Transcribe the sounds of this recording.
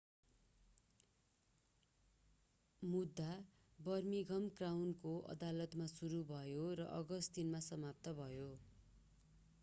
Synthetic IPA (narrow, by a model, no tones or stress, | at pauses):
mud̪ʱːa | bʌrmiɡʱʌmkrawnkoʔʌ̰d̪alʌt̪masuɾubʱʌjoɾʌʔʌɡʌst̪inmasʌmap̚t̪ʌbʱʌjo